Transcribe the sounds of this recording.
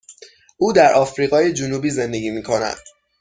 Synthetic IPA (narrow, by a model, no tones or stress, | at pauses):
uːd̪æɾʔɒːfɾiːɣɒːje̞d͡ʒunuːbiːze̞nd̪e̞ɡʲiːmiːkʰo̞næ̰d̪̥